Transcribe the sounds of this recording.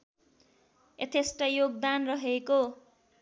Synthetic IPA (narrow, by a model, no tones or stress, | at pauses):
et̪ʰesʈʌjoɡ̚d̪anrʌɦeko